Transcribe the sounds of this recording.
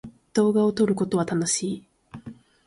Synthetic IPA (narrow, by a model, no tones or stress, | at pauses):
d̪̥o̞ːɡao̞t̪o̞ɾɯ̟ko̞t̪o̞βat̪anoɕiː